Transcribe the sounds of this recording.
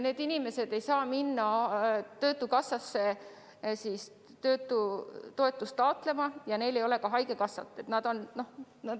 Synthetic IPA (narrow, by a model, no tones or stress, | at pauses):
ne̞ːd̪inime̞se̞d̪e̞jsɑːminːɑt̪ø̞ːt̪ːˑukɑsːɑsːe̞ | siːs | t̪ø̞ːt̪ːˑut̪o̞e̞t̪ːˑust̪ˑɑot̪le̞mɑjɑne̞jle̞jo̞le̞kɑɦɑjke̞kɑsːɑ̰t̪ːˑe̞t̪nɑd̪̥o̞nno̞h | nɑ